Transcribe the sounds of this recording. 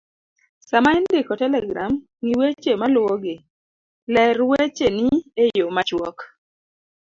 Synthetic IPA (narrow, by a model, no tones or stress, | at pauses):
samaindɪkɔtɛlɛɡɾam | ŋiwet͡ʃemalwɔɡɪ | lɛɾwet͡ʃeniejomat͡ʃwɔk